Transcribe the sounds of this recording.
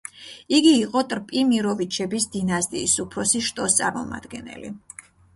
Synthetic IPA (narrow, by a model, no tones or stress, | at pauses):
iɡiːqʼɔt̪ʼɾpʼimiɾɔvit͡ʃʰɛbisd̪inast̪ʼiːsupʰɾɔsiʃt̪ʼɔst̪sʼaɾmɔ̰ma̰d̪̥ɡɛnɛ̰lḭ